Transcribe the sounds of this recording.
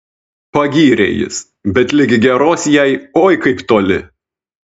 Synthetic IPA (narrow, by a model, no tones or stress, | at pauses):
pɐɡʲiːɾʲḛːjɪ̰s | bʲɛt̪lʲɪɡʲɪɡʲɛɾoːsjɛɪoːjkɐɪpt̪oːlʲɪ̰